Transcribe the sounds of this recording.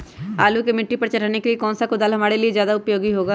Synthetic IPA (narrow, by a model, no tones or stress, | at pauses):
aːlukemɪʈːipɐɾt͡ʃɐɾaːnekeliekɔːnsakʊd̪aːlɦɐmaːɾeliezjaːd̪aʊpjoːɡiɦoːɡaː